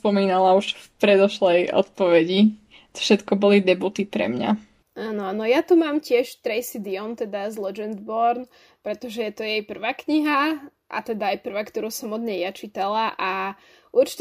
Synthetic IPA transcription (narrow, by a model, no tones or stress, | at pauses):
spɔmiːnalauʃfpɾɛd̪ɔʃlɛjɔ̰t̪pɔʋɛɟi | t̪fʃɛt̪kɔbɔlid̪ɛbut̪ipɾɛ̰mɲa̰ | aːnɔanɔjat̪umaːmcɪɛʃt̪ɾɛjsid̪iɔnt̪ɛd̪azlɛd͡ʒɛnd̪bɔɾn | pɾɛt̪ɔʒɛjɛt̪ɔjɛjpr̩ʋaːkɲiɦa | ʔa̰t̪ɛd̪aːjpr̩ʋakt̪ɔɾuːsɔmɔd̪ɲɛjjat͡ʃit̪alaʔa | ʔuɾt͡ʃi̥t̪